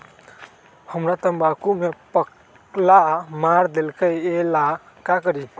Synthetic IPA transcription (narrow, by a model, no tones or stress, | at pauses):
hʌmɾat̪ʌmbakumepʌk | lamaɾd̪elkʌjela | kakʌɾi